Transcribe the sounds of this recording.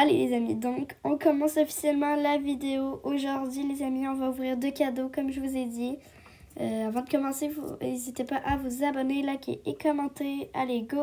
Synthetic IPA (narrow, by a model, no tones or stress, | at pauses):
alḛlḛzamid̪ɔ̃kɔ̃kɔmɑ̃sɔfi̥sjɛlmɑ̃lavid̪eoʔoʒuʁd̪ɥilezamiɔ̃vauvʁiʁd̪økʲad̪okɔmʒəvuzed̪i | øavɑ̃d̪əkɔmɑ̃sevṵnezit̪epaʔavuzabɔnelakʲḛʔekɔmɑ̃t̪ealeɡo